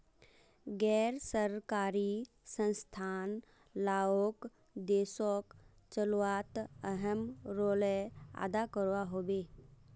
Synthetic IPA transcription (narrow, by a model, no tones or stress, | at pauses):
ɡɛːɾsəɾkaːɾi | sə̃nst̪ʰaːn | laːok | d̪eːsɔk | t͡ʃəluaːt̪əɦəmɾoːlea̰ːd̪akəɾwaɦoːbeː